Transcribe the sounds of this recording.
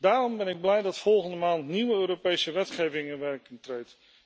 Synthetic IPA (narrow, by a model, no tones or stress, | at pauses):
daːɾɔmbɛnɪɡ̚blɛjdɑtfɔlˠχəndəmaːntniʋəøːɾopejsəʋɛtχejvɪŋənʋɛrkɪntrejt